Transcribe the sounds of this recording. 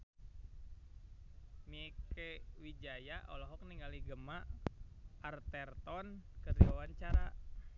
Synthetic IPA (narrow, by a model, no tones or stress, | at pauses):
miɛkewid͡ʒajaʔɔ̰lɔɦɔk̚niŋaliɡəmaʔː | rt̪ɛrt̪ɔnkəriwawaɲt͡ʃaɾa